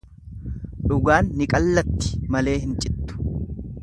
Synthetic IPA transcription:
ᶑʊɡaːnːɪkʼɐlːɐt̪ːɪ̥mɐle̞ːɦɪnt͡ʃʼɪt̪ːʊ̥

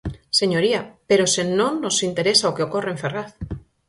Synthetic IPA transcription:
seɲoɾiapeɾosenõŋnosint̪eɾesaokeokoreeɱferaθ

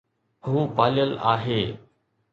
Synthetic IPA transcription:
huːpaːlɪjəla̰ːɦeː

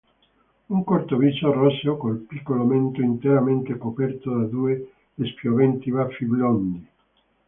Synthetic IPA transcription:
uŋkort̪ovit͡ʃoarɔsokolpikːoloment̪oint̪eɾament̪ekopɛrt̪od̪ad̪ue | d̪espjovɛnt̪ibafːiblɔnd̪i

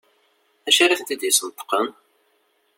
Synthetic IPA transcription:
æʃæɾiθənt̪id̪jəsənt̪ːə̥qən

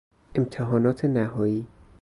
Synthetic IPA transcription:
ʔemt̪ʰeɦɒːnɒːt̪ʰenæɦɒːiː

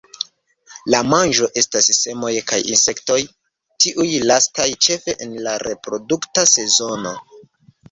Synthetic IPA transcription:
lamanʒo̞ʔe̞stasse̞mo̞jkajḭnse̞kto̞j | tiʔujlastajt͡ʃe̞fe̞ʔenlaɾe̞pɾo̞duktase̞zo̞no̞

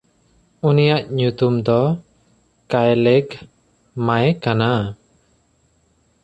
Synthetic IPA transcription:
unijaʔɲut̪umd̪ɔ | kajlɛɡ | majɛkana

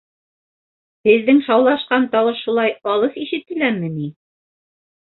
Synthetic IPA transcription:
hɘ̆ðːɘŋʃɑwlˠɑʃqɑnt̪ɑwɤʃʃulˠɑjɑlˠɤθiʃɘp̚t̪ːɘ̆læmɘni

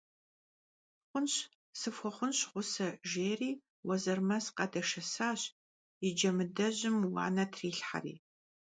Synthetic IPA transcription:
χʷʊnɕ | sɨfʷɔχʷʊnɕχʷʊsɐʒeːriː | wɐzɐrmɐsqɐdɐʃɐsaːɕ | ɪd͡ʒɐmɨdɐʑɪmwɑ̰ːnɐtʰriːɬħa̰rḭː

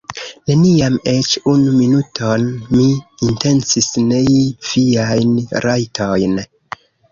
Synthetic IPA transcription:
ne̞niame̞t͡ʃunuminutʰo̞nmiːnte̞nsisne̞iv̥iajnɾʔajtʰojn

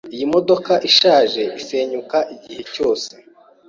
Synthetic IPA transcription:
ijimo̞do̞kaʔiʃaːʒe̞ʔise̞ːɲukaʔiɟihe̞co̞ːse

